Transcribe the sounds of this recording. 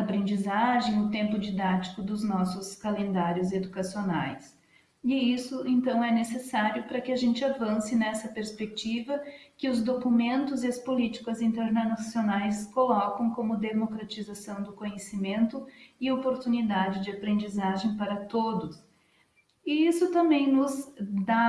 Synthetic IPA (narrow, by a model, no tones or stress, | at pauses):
apɾẽnd͡ʒizaʒẽj̃ʊt̪ẽmpʊd͡ʒid̪at͡ʃi̥kʊd̪ʊznɔsʊskalẽnd̪aɾjʊzed̪ukasiona̰js | ɪisʊẽnt̪ɐ̃w̃ɛnesesaɾjʊpɾɐkɪaʒẽnt͡ʃɪavɐ̃sɪnɛsɐpeɾspek̚t͡ʃivɐkɪʊzd̪okumẽnt̪ʊzɪɐspolit͡ʃi̥kɐzĩnt̪eɾnasionajskolɔkɐ̃w̃kõmʊd̪emokɾat͡ʃizasɐ̃w̃d̪ʊkõɲesimẽnt̪ʊɪopoɾt̪unid̪ad͡ʒɪd͡ʒɪapɾẽnd͡ʒizaʒẽj̃paɾɐt̪od̪ʊs | ɪisʊt̪ɐ̃mbẽj̃nʊzd̪a